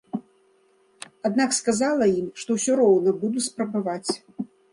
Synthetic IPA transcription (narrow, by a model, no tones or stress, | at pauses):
ad̪nakskazalˠɐjimʂt̪ɔwsʲɔɾɔwnɐbud̪uspɾɐbavat͡sʲ